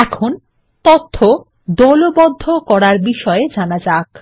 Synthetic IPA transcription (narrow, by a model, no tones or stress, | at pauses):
ɛkʰon | t̪ot̪ʰːo | d̪ɔlobɔd̪ʱːokɔɾaɾbiʃɔed͡ʑanad͡ʑak